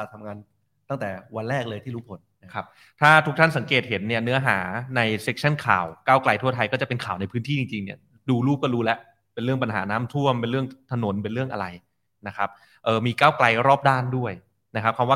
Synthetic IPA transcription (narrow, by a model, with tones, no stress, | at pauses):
a˨˩t̪ʰːa˧ŋaː˧n | t̪a˥˩ŋt̪ɛː˨˩wa˧nɾɛː˥˩k̚lɤː˧jt̪ʰiː˥˩ɾuː˦˥pʰo˨˦n | kʰa˦˥p̚ | t̪ʰaː˥˩t̪ʰu˦˥k̚t̪ʰa˥˩nsa˩˦ŋkeː˨˩t̪̚he˩˦nːi˥˩ɐnɯ˦˥ɐɦaː˩˦na˧jse˦˥k̚t͡ɕʰa˥˩nkʰa̰ː˨˩wkaː˥˩wkla˧jt̪ʰu˥˩ɐt̪ʰa˧jkɔ˥˩t͡ɕa˨˩pe˧nkʰaː˨˩wna˧jpʰɯː˦˥nt̪ʰiː˥˩t͡ɕi˧ŋt͡ɕi˧ŋni˥˩ɐ | duː˧luː˥˩p̚kɔː˥˩ɾuː˦˥lɛ˦˥ʔ | pe˧nlɾɯ˥˩əŋp̬a˧nɦa̰ː˩˦naː˦˥mt̪ʰu˥˩əmpe˧nɾɯ˥˩əŋt̪ʰa˧no˩˦np̬e˧nɾɯ˥˩əŋʔa̰˧ɾa˧j | na˦˥kʰa˦˥p̚ | ʔɤː˨˩miː˧kaː˥˩wkla˧jɾɔː˥˩p̚daː˥˩ndu˥˩əj | na˦˥kʰa˦˥p̚kʰaː˧wa˥˩